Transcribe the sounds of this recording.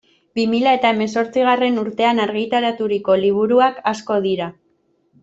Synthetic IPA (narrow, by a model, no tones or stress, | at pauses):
bimiʎae̞t̪ae̞me̞so̞ɾt͡siɣ̞are̞nuɾt̪e̞anaɾɣ̞it̪aɾat̪uɾiko̞liβ̞uɾuakasko̞ð̞iɾa